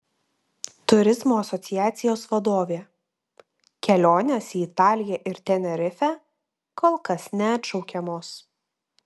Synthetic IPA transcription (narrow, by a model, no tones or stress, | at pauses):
t̪ʊɾʲɪzmoːɐsɔt̪sʲɪjæːt̪sʲɪjoːsʋɐd̪oːʋʲeː | kʲɛlʲoːnʲeːsʲiːɪt̪ɑːlʲɪjɛʔɪɾt̪ʲɛnʲɛɾʲɪfʲɛː | koːlˠkɐsnʲɛɐt̪ʃɒʊkʲɛmoːs